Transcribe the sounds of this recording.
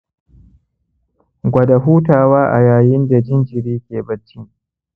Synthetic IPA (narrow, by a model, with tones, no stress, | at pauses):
ɡʷɐ˨da˨ɦuː˦taː˨waː˦ʔa̰˨jaː˨jɪ˦nda˨d͡ʒɪ˦nd͡ʒɪ˨ɾiː˦kʲeː˨bɐ˦˨t͡ʃːi˦ŋ